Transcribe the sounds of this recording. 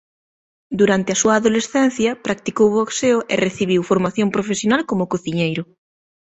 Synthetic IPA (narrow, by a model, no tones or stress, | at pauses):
d̪uɾant̪eɐsuɐːðolesθɛn̟θjɐpɾak̚t̪ikowβokseʊʔereθiβ̞iwfoɾmaθjompɾofesjonalkomʊkoθiɲejɾʊ